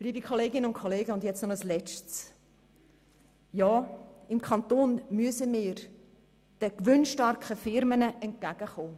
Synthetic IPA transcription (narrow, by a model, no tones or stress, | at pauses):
liːbikʰoleːɡɪnənʊntkʰoleːɡəʊndjɛt͡stnɔəslɛt͡ʃts | jɑːɪmkʰχɑnt̪oːnmyəsəmɪːɾ | d̥əkʋʏnʃtɑɾkχəfɪɾmənəʔɛnt̚kæɡ̥əχoː